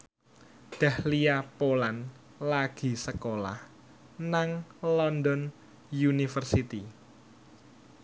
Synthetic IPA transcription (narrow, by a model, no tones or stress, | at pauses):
d̪̥a̤hliapolan | laɡ̥i̤səkola̰h | naŋlɔnd̪ɔn | junifərsit̪i